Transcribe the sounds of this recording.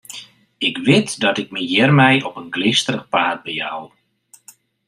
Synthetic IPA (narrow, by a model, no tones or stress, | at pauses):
ɪkʋɪtdɔtɪk̚məjɛrmɛjʔɔpənɡlɪstərəχpaːt̚bəja̰l